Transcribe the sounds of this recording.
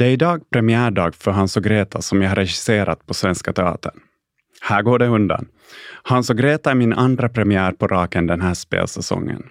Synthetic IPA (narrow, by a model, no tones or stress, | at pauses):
d̪ɛæɾɪd̪ɑːɡ̚pʰɾɛmɪæːɖɑːɡfœɾɦansɔɡɾeːt̪ʰasɔmjahaɾːɛɕɪ̥seːɾʔat̪̚pʰɔsvɛnskat̪ʰɛɑ̰ːt̪əɳ | hæːɡoːɖɛɵnd̪a̰n | hansɔɡɾeːt̪aæɾmɪnʔand̪ɾapʰɾɛmɪæːɾpʰɔɾʔɑːkənd̪ɛnɦæːʂpḛːlsɛsɔ̰ŋːə̰n